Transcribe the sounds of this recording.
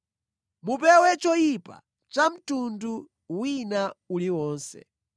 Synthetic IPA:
mupɛwɛt͡ʃɔjipa̰ | t͡ʃam̩tundu | winauliwɔːnsɛ̰

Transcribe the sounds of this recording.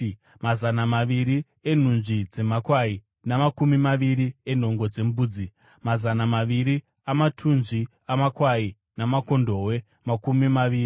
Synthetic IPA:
mazanamaʋiɾi | e̞n̤und͡ʒid͡ze̞makwai | namakumimaʋiɾien̤o̞ŋɡo̞d͡ze̞mbuːd͡zi | mazanamaʋiɾi | amatʰunʐi | amakwai | namako̞ndo̞ːwe̞ | makumimaʋiːri

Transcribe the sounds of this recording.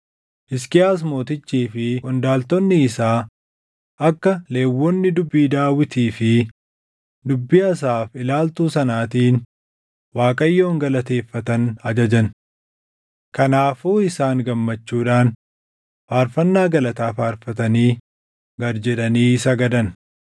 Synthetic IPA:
ʔɪskɪaːs̬mo̞ːt̪ɪt͡ʃːiːfɪkʼɔnd̪aːlt̪ɔnːɪːsaː | ʔɐkːɐle̞ːwːɔnːɪd̪ʊbːiːd̪aːwɪt̪iːfɪ | d̪ʊbːiɐs̬aːfɪlaːlt̪uːsɐnaːt̪iːn | waːkʼɐjːo̞ːŋɡɐlɐt̪e̞ːfːɐt̪ɐnɐd͡ʒɐd͡ʒɐn | kɐnaːfuːɪsaːŋɡɐmːɐt͡ʃːuːᶑaːn | faːɾfɐnːaːɡɐlɐt̪aːfaːɾfɐt̪ɐniː | ɡɐɾd͡ʒɛᶑɐniːsɐɡɐd̪ɐn

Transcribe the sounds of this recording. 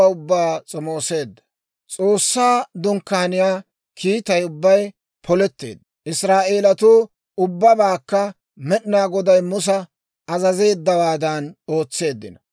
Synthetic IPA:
ʊbːaːt͡sʼɔmo̞ːse̞ːd̪ːɐ̥ | t͡sʼo̞ːsːaːd̪ʊŋkːaːnɪjaː | kʰiːt̪ɐjʊbːɐj | pʰɔlɛt̪ːe̞̰ːd̪ːɐʔɪsɾaːʔe̞ːlɐt̪uː | ʊbːɐbaːkːɐ | mɛɗɪnaːɡɔd̪ɐjmʊs̬ɐ | ɐzɐze̞ːd̪ːɐwaːd̪ɐno̞ːt͡sːe̞ːd̪ːɪnɐ

